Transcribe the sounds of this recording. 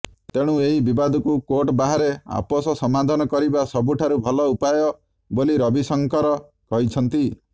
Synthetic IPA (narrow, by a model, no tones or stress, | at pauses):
t̪eɽ̃ueɦibibad̪ʱɔkukoʈbaɦaɾea̰pɔsɔsɔmad̪ʱɔnɔkɔɾibasɔbuʈʰaɾubʱɔlɔupajɔ | boliɾɔbisɔŋkɔɾɔ | kɔɦit͡ʃʰɔnt̪i